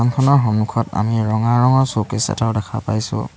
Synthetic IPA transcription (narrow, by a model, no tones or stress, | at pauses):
ankʰɔnɔɹɦɔmukʰɔta̰miɹɔŋaɹɔŋɔɹsokisɛ̰taʊdɛkʰa̰pa̰jsʊ̰̃